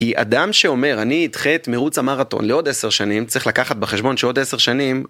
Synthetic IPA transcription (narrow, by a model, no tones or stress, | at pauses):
kia̰d̪amʃe̞o̞me̞ʁaniːt̪χet̪meʁut͡samaʁat̪o̞̰nleo̞d̪eseʁʃanimt͡sʁiχlakaχat̪̚beχe̞ʃbo̞nʃeo̞d̪ese̞ʁʃanim